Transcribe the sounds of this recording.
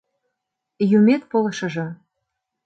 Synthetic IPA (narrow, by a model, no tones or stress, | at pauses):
jumet̪̚polɤ̆ʃɤ̆ʒɤ̆